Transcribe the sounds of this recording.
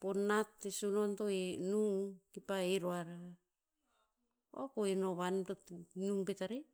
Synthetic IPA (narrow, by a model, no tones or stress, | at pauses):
ponːatːesonontoenuŋkipaeɾoaɾa | a̰koenoβantonuŋpetaɾe